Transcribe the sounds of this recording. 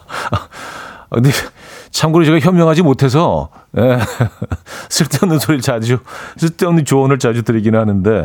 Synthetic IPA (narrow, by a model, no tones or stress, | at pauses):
kɯndet͡ɕʰamɡɯɾot͡ɕe̞ɡaçjʌmjʌŋɦad͡ʑimotʰe̞s̬ʰʌje | sʰɯɭt͈eumnːɯnsʰoɾiɭt͡ɕad͡ʑosʰɯɭt͈eunːet͡ɕoʌnɯɭt͡ɕad͡ʑutɯɾiɡinɯnhanɯnde̞